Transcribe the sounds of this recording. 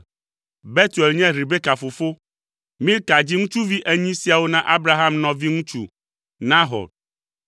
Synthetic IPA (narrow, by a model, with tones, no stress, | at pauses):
bɛ˦t̪u˨ɛ˨lɲɛ̃˦ɾi˨be˦ka˨fo˨fo˦ | mĩ˦lka˨d͡ʑi˦ŋũ˦t͡ʃu˦vi˦ʔe˦ɲĩ˦si˦a˨wo˦nã˦ʔa˦bɾa˦ɦa˦mnɔ̃˨vi˦ŋũ˦t͡ʃṵ˦ | nã˦ɦɔ̰˨